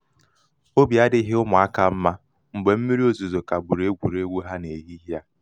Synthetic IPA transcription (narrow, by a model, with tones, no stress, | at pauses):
o˦bi˨a˦dɪ˦ɦɪ˦ʊ˦mʊ˨a˦ka˦m̩˦ma˦ | ŋ͡m̩˨ɡ͡be˨m̩˦mi˦ɾi˦o˦zu˨zo˨ka˨ɡ͡bu˨ɾe˦ɡʷu˨ɾe˦ɡʷu˦ɦa˦ne˨ɦi˦ɦja˦